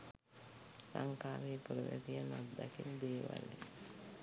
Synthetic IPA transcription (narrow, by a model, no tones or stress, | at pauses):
saŋkaːʋeːpuɾəʋḛtijanad̪ːakind̪eːʋa̰le